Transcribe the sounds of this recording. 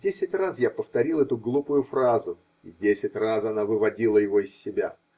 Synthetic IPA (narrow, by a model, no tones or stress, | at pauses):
dʲesʲɪtʲrasjapəft̪ɐɾʲilˠɛt̪ʊɡlˠupʊjʊfrazʊ | idʲesʲɪtʲrasɐnavɨvɐdʲilˠəjɪvoɪsʲːɪbʲa̰